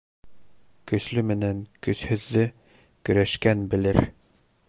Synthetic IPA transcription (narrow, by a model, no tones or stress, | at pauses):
kɵ̆slɵmɘ̆næŋkɵ̆shɵ̆ðːɘ | kɵ̆ɾæʃkænbɘ̆lɘɾ